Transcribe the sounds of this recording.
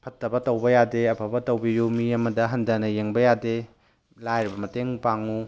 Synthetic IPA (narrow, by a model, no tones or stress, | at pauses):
pʰɐtːɐbɐtɐwbɐjadeɐpʰɐbɐtɐwbijumiɐmɐdɐɦɐndɐnɐjeŋbɐjade | lajɾibɐmɐteŋpaŋu